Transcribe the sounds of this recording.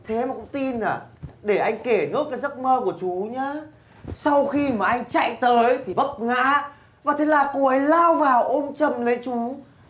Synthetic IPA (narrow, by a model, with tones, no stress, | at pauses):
t̪ʰe˨˦maː˨˩kʊ̰˧˥ŋ͡mt̪i˧naː˨˩ɗe˧˩ʔa˧jŋ̟ke˧˩nɨ̰˥ək̚kaː˨˦jzə˦˥t̚məː˧ku˧˩ət͡ɕu˨˦ɲaː˨˦ | sa˧wxi˧maː˨˩ʔa˧jŋ̟t͡ɕa̰˧˨jt̪əː˨˦jt̪ʰi˨˩və˦˥p̚ŋa̰ː˧˥ | vaː˨˩t̪ʰe˨˦laː˨˩ku˨˧˩əʔə˨˦jlaː˧wvaː˨˩wʔo˧mt͡ɕə˨˧˩mlə˨˦jt͡ɕu˨˦